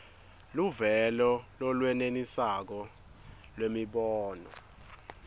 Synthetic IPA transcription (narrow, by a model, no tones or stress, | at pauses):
luvɛlɔlɔlwɛnenisak̬ɔ | lwemiɓɔːnɔ̰